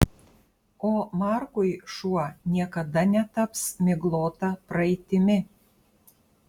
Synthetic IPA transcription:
oːmɑɾkʊjʃuɔnʲiɛkɐd̪ɐnʲɛt̪ɐpsmʲɪɡlˠoːt̪ɑpɾɐɛt̪ʲɪmʲɪ

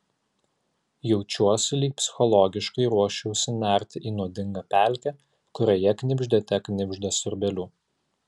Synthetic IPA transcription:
jɛʊt͡ʃʲuɔsʲɪlʲiːk̚pʲsʲɪ̥xɔlˠɔɡʲɪʃkɐɪɾuɔʃʲɛʊsʲɪnʲæˑɾʲt̪ʲɪʔiːnuɔd̪ʲɪŋɡɐpʲæˑlʲˑkʲɛ | kʊɾʲoːjɛknʲɪbʲʒʲd̪ʲet̪ʲɛknʲɪbʲʒʲd̪ʲɛsʊɾʲbʲɛlʲuː

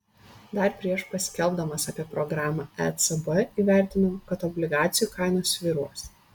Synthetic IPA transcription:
d̪ɐɾpʲɾʲiɛʃpɐsʲkʲɛlˠbd̪ɐmɐsɑpʲiɛpɾɔɡɾɑːmɑːɛ̰t̪sɛbɐiːʋʲæˑɾʲt̪ʲɪnɐkɐt̪ɔbʲlʲɪɡɑːt̪sʲɪjuːkɑˑɪnoːsʲʋʲiːɾuɔs

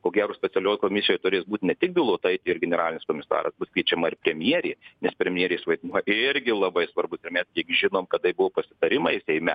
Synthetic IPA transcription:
koːɡʲæːɾoːsʲpʲɛt̪sʲɛlʲoːkoːmʲɪsʲɪjojt̪ʊɾʲeːsbuːt̪ʲnʲɛt̪ʲɪk̚bʲɪlˠot̪ɐɪt̪ʲɪɪɾɡʲɛnʲɛɾɑːlʲɪnʲɪskoːmʲɪsɑ̰ːɾɐ̰sbʊskʋʲiɛt͡ʃʲɛmɐɪrpʲɾʲɛmʲjiɛɾʲeːnʲɛspʲɾʲɛmʲjiɛɾʲeːsʋɐɪd̪nuɔjɪɾʲɡʲɪlˠɐbɐɪsʋɐrbʊsɪrmʲɛskʲiɛkʒʲɪnoːmkɐd̪ɐɪbʊʋoːpɐsʲɪt̪ɐɾʲɪmɐsʲɛɪmʲɛ

